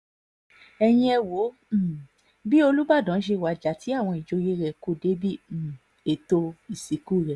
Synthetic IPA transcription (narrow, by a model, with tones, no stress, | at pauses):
ɛ˧j̃ĩ˦˧ɛ˧wo˨˦˨ | bi˦o˧lu˦ba˦˨dã˨˦ʃ̬e˧˨wa˨d͡ʒa˨ti˨˦a˦˨w̃ɔ̃˧i˨d͡ʒo˧˦je˧˦ɾɛ˨ko˦˨de˨˦bi˦˨˦ | e˨to˧i˨si˨˦ku˦˨ɾɛ˨